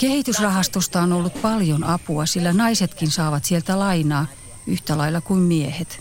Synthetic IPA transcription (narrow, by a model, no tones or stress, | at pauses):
kehit̪ysrɑhɑst̪ust̪ɑonolːut̪pɑljonɑpuɑsilːænɑiset̪kinsɑːʋɑt̪sielt̪ælɑinɑː | yht̪ælɑilːˑɑkuimmiehet̪